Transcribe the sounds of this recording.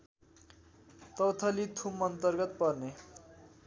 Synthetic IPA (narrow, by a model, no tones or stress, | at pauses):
t̪ʌwt̪ʰʌlit̪ʰumʌnt̪ʌrɡʌt̪̚pʌrne